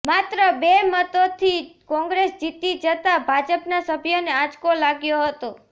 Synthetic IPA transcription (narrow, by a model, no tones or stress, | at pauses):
mat̪ɾəbemət̪ot̪ʰikɔ̃ŋɡɾesd͡ʒit̪id͡ʒət̪abʱad͡ʒəpnasəbʱjonead͡ʒkolaɡjoɦət̪o